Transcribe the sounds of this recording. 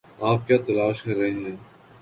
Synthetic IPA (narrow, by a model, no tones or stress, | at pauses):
aːp̚kjaːt̪ɐlaːʃkɐɾːɐɦeɦɛ̃ː